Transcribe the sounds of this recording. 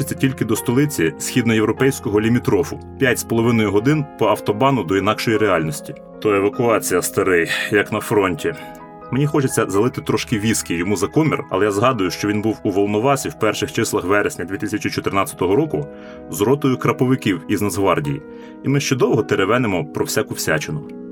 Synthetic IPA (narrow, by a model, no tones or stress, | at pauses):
et͡sʲːɐtʲilʲkɪd̪ɔst̪ɔlˠɪt͡sʲisʲxʲid̪nɔjewɾɔpɛjsʲkɔɦɔlʲimʲit̪ɾɔfʊ | pʲjatʲspɔlˠɔʋɪnɔjʊɦɔd̪ɪnpɔɐwt̪ɔbɑnʊd̪ɔinɑkʃɔjiɾeɑlʲnɔsʲtʲi̥ | t̪ɔeʋɐkʊɑt͡sʲijɐst̪ɐɾɪjjɐknɐfɾɔnʲtʲi | menʲixɔt͡ʃet͡sʲːɐzɐlˠɪt̪ɪt̪ɾɔʃkɪʋʲiskɪjjɔmuzɐkɔmʲḭrɐ̰lˠɛjazɦɑd̪ʊjʊʃt͡ʃɔʋʲinbuwuʋɔlˠnɔʋɑsʲiwpɛrʃɪxt͡ʃɪslˠɐxʋɛɾesʲnʲɐd̪ʲʋʲit̪ɪsʲɐt͡ʃit͡ʃɔt̪ɪrnɑt͡sʲɐ̥t̪ɔɦɔɾɔkʊ | zɔɾɔt̪ɔjʊkɾɐpɔʋɪkʲiwiznɐzɦʋɑrdʲḭjḭ | imɪʃt͡ʃɔd̪ɔwɦɔt̪eɾeʋɛnemɔpɾɔwsʲakʊwsʲa̰t͡ʃenʊ